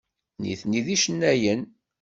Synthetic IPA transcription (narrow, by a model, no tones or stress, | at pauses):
nḭθniðiʃənːæjən